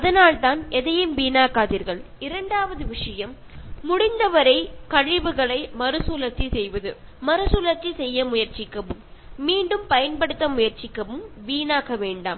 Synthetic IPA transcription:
ɐðɐnaːɭt̪aːnɛðɐjɯmʋiːnaːkaːðiːɾɣɐɭ | ɪɾɐɳɖaːʋɐðɯʋɪʂɐjɐmː | ʊɽɪnd̪ɐʋɐɾɐɪkɐɻɪʋɯɣɐɭɐɪmɐɾɯsuːlɐt̪ːisɛjʋɐðɯmɐɾɯsuːlɐt̪ːisɛjːɐmʊjɐɾt͡ʃɪkːɐʋɯmːiːɳɖɯmpɐjɐnpɐɽɯt̪ːɐmʊjɐɾt͡ʃɪkːɐʋɯmʋiːnaːkɐʋeːɳɖaːm

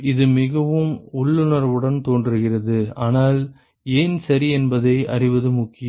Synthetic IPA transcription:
ɪðɯmɪɣɐʋɯmʊɭːɯnɐɾʋɯɽɐnt̪oːndɪɾɯɣɪrɐðɯaːnaːl | eːnsɐɾiɛnbɐðɐɪʔɐ̰rɪʋɐðɯmʊkːɪj

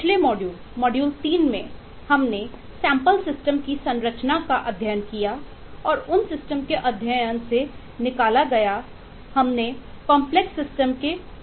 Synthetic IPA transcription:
pɪt͡ʃʰlemɔːɖjuːl | mɔːɖjuːlt̪iːnmẽ | hɐmne | sɛ̃ːmpəlsɪsʈəmkisɐ̃nɾət͡ʃnakaʔɐd̪ʱjajənkija | ɔːɾʊnsɪsʈəmkeʔɐd̪ʱjəjənse | nɪkaːlaɡɐja | hɐmne | kɔ̃ːmpleksɪsʈəmke

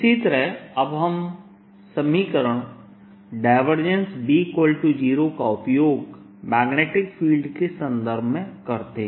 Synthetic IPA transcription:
ɪsit̪əɾɦɐbɦɐm | sɐmiːkəɾəɽ̃ | ɖaɪʋəɾd͡ʒẽnsbikwəlʈud͡ʒiːɾokaʊpjoːɡ | mɛːɡneːʈɪkfʰiːlɖkesɐ̃nd̪əɾbʱmẽkɐɾt̪e

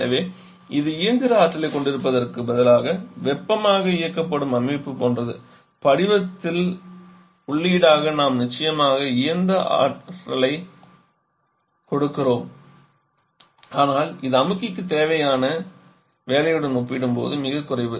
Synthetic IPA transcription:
ɐʋeː | ɪðɯɪjɐɾnd̪ɪɾɐaːʈʈːɐlɐɪkɔɳɖɪɾɯpːɐðɐrkɯbɐðɐlaːɣɐʋɛpːɐmaːɣɐɪjɐkːɐpːɐɽɯmɐmːɪpːɯpoːndrɐðɯ̰ | pɐɽɪʋɐt̪ːɪl | ʊɭːiːɽaːɣɐnaːmnɪt͡ʃːɐjɐmaːɣɐɪjɐnd̪ɐʔa̰ːʈːɐlɐɪ | kɔɽɯkːɪroːm | aːnaːlɪðɯɐmɪkːɪkːɯt̪ːeːʋɐjaːnɐ | ʋeːlɐjɯɽɐnuːpːɪɽɯmpo̰ːðɯmɪɣɐkːʊrɐɪʋɯ

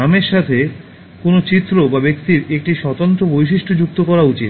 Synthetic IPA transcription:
ameɾʃat̪ʰe | konot͡ɕit̪ːɾobabekt̪iɾek̚ʈiʃɔt̪ant̪ɾobojʃ̬iʃʈʰod͡ʑuk̚t̪okɔɾaut͡ɕit̪

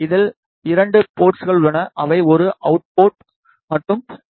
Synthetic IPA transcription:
ɪðɪl | ɪɾɐɳɖɯpoːʈsɣɐɭʊɭːɐnɐʔɐʋɐɪɔɾɯʔɐʊʈ̚poːʈ̚ | mɐʈrɯm

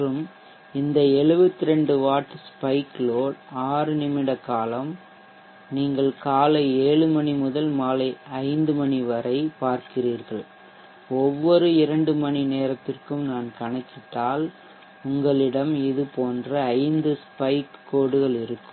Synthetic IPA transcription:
rɯm | ɪnd̪ɐɛɭɯʋɐt̪ːɪɾɛɳɖɯʋaːʈːɯspɐɪkloːɽaːɾɯnɪmɪɽɐkːaːlɐm | niːŋɡɐɭkaːlɐɪeːɭɯmɐnimʊðɐlmaːlɐɪɐɪnd̪ɯmɐniʋɐɾɐɪpaːɾkɪriːɾɣɐɭ | ɔʋːɔɾɯɪɾɐɳɖɯmɐnineːɾɐt̪ːɪrkɯmnaːnkɐnɐɪkːɪʈ̪ːaːl | ʊŋɡɐɭɪɽɐmɪðɯpoːndrɐːɪnd̪ɯspɐɪkːoːɽɯɣɐɭɪɾɯkːɯm

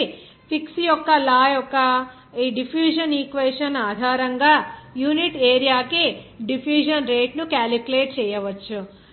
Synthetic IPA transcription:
pʰiksijɔkːɐlaːjɔkːɐ | iːɖipʰjuːʃɐniːkʋeːʂɐnaːd̪ʱaːɾɐŋɡaːjuːniʈeːɾijaːkeɖipʰjuːʃɐnɾeːʈnukaːlikuleːʈ̚t͡ʃɛːjɐʋɐt͡ʃːu

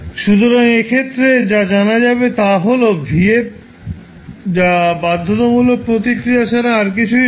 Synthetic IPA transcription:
ʃut̪̬oɾaŋekʰet̪ːɾed͡ʑad͡ʑanad͡ʑabet̪aɦolobʱiep̚ | d͡ʑabad̪ʱːot̪omulopɾot̪̬ikɾijaʃaɾaaɾk̬it͡ɕʰu

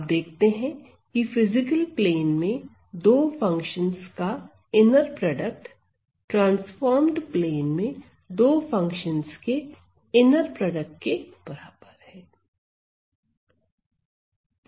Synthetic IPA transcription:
p̚d̪eːk̚ʰt̪eɦɛ̃ | kifɪzɪkəlpleːnmẽ | d̪oːfɐ̃ŋkʃənzka | ɪnəɾpɾɔːɖək̚ʈ | ʈɾãːnsfɔːɾmɖpleːnmẽ | d̪oːfɐ̃ŋkʃənzke | ɪnəɾpɾɔːɖək̚ʈ̚keb̥ɐɾaːb̥əɾhɛː

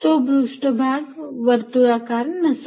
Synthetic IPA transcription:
t̪obɾʊʃʈəbʱaːɡʋəɾt̪uɾaːkaːɾnɐs

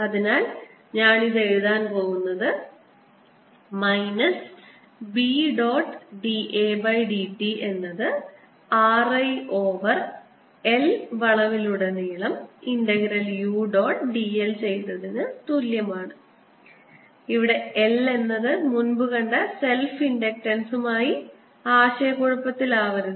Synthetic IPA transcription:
ɐðinaːl | ɲaːɳiðe̞ɻuðaːnpo̞ːɣunːɐðɨ | mɐjnɐs | biɖo̞ːʈːɖiʔeːbɐjɖiʈːiʔe̞nːɐðɨ | aːrɐjʔo̞ːʋɐr | elʋɐɭɐʋiluɽeniːɭɐmiɳɖɐɡɾɐljuːɖo̞ːʈɖielt͡ɕe̞jt̪ːɐðenːɨt̪uljɐmaːɳɨ | iʋiɽe̞ele̞nːɐðɨmunbuɣɐɳɖɐse̞lfiɳɖek̚ʈɐnsumaːji | aːɕɐjɐkoɻupːɐt̪ːilaːʋɐɾunːu

